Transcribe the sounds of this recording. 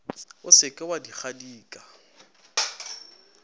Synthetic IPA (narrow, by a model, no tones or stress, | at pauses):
ʊsɪkʼɪwadiχadiːkʼa